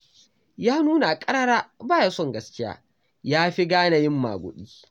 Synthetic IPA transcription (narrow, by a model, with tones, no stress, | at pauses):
jaː˦nuː˦na˨a˨kʼɐ˦ɾɐ˦ɽaː˦baː˦ja˦sɔ˦˨ŋɡɐ˦skʲɪ˦ja̰ː˦ | jaː˦ɸi˦ɡaː˦na˨jɪ˦mːa̰ː˨ɡʷʊ̰˨ɗiː˦